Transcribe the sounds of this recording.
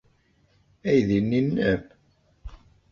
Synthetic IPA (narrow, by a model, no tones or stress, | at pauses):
æjðinːinːæp